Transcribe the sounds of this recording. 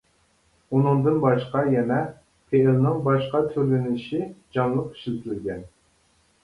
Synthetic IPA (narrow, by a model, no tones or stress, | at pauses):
unɨŋd̪ɨnbɑʃqɑjɛnɛ | pʰelnɪŋbɑʃqɑt̪ʰøɾlɪnɪlɪʃid͡ʒɑŋlˠəqːi̥ʃilt̪ʰlɪlɡʲɛn